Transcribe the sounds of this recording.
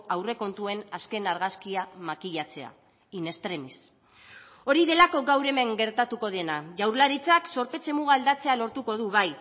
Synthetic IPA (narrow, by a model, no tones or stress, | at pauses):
awre̞ko̞nt̪ue̞naske̞naɾɣaskiamakiʎat͡se̞a̰ | ine̞st̪ɾe̞mis | o̞ɾiðe̞lako̞ɡawɾe̞me̞ŋɡe̞ɾt̪at̪uko̞ð̞e̞naʝawɾlaɾit͡sakso̞ɾpe̞t͡se̞muɣaːld̪at͡se̞alo̞ɾt̪uko̞ð̞uβaj